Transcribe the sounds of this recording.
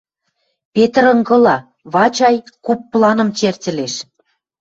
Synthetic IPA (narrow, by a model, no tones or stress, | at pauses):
pet̪ə̆ɾɤ̆ŋɡɤ̆lɑ | βɑt͡ɕɑjkupːlˠɑnɤ̆mt͡ɕertʲɘ̆leʃ